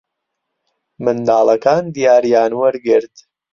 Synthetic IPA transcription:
mɨnd̪aːlˠɐkaːnd̪ijaːɾjaːnwəɾɡɪɾt̪

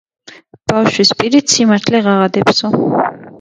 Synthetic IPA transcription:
b̥afʃwispʼiɾit̪sʰimaɾt̪ʰlɛʁaʁad̪ɛpsɔ

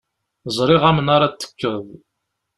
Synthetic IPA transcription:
zˤɾˤiʁæmənaɾat͡s̪ːə̥kːəðˤ

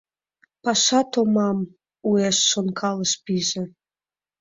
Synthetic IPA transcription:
pɑʃɑt̪omɑm | ueʃːonkʰɑləʃpiʒĕ

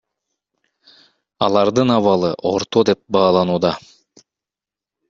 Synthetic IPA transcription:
ɑlˠɑɾd̪ɯnɑβɑlˠɯʔo̞ɾt̪od̪e̞p̚bɑːlˠɑnuːd̪ɑ

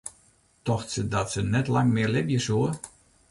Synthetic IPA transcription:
tɔxtsədɔtsənɛtlaŋmɪəlɪbjəsuə

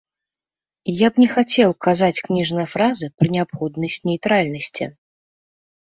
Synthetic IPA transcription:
jabnʲɛxat͡sʲɛwkazat͡sʲknʲiʐnɐjɐfɾazɨpɾɨnʲɛapxɔd̪nɐsʲnʲɛjt̪ɾalʲnɐsʲt͡sʲḭ

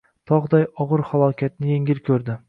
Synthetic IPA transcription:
t̪ʰɒʁd̪ajɒʁɨɾχalˠɒkʲʰat̪̚nɪjeŋɪlkʲʰɵɾd̪ɪ

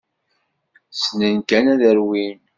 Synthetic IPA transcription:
snənkænæðəɾwin

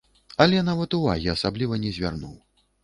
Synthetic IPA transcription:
ɐlʲɛnavɐt̪uva̰ɣʲiasablʲivɐnʲɛzʲvʲa̰rnṵw

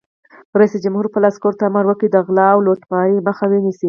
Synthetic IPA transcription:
ɾaisid͡ʒamhuɾpəlɑskoɾt̪amaɾwəkid̪əɣlɑwlot̪mɑjiməxawenisi

